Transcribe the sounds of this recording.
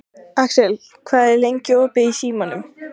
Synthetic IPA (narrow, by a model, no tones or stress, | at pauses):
aksɛl | kʰvaːðɛɾlejɲcɪɔːpɪisiːmanʏm